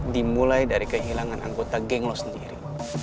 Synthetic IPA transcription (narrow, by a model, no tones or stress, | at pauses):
dimulajdaɾikəɦilaŋanʔa̰ŋɡot̪aɡɛŋlɔsəndiɾḭ